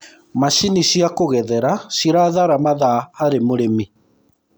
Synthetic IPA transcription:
maʃiniʃiakoɣɛðɛɾaʃiɾaðaɾamaðahaɾemoɾemi

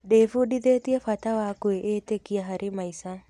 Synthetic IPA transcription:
ɖefuɖid̪et̪iefat̪awaːkueʔeːt̪ekijaɦaɾʔimajsa

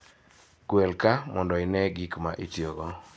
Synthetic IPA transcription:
ɡ̥wɛlkamɔndɔɪnɛɡikmaʔitjoɡɔ

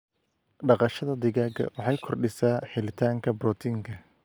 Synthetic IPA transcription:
ɖɑqɑʃɐðɐd̪ɪɣaːɡɐ̰wɑħɑjkʰɔrɖɪsaːħɪlɪt̪ʰaːŋkʰɐbɾɔt̪ʰiːŋkʰɐ

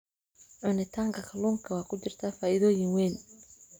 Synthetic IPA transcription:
ʕʊnɪt̪ʰaːŋkʰɐkʰɐluːŋkʰɐwaːkʰʊt͡ʃɪrt̪ʰaːfaːʔɪðɔːjɪŋwɛːn

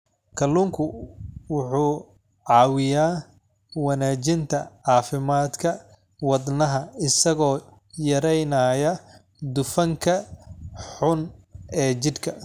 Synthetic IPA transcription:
kʰɐlːuːŋkʰʊwʊħuː | ʕɑːwɪjaː | wɐnaːt͡ʃɪnt̪ʰɐʕɑːfɪmaːd̪kʰɐ | wɐd̪nɐɦɐɪsɐɣɔː | jɐɾɛjnaːjɐ | d̪ʊfɐŋkʰɐ | ħʊnɛːt͡ʃɪd̪kʰɐ

